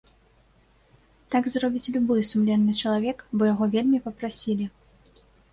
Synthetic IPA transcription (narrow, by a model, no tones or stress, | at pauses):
t̪aɡzrɔbʲit͡sʲlʲubɨsumlʲɛnːɨt͡ʂɐlˠavʲɛkbɔjaɣɔvʲelʲmʲipɐpɾasʲilʲi